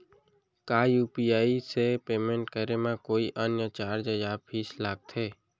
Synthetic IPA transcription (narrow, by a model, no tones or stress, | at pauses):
kaːjuːpiaːisepeːmẽɳʈkəɾemãkoːiʔənjət͡ʃaːɾd͡ʒəjaːpʰiːslaːɡ̚t̪ʰeː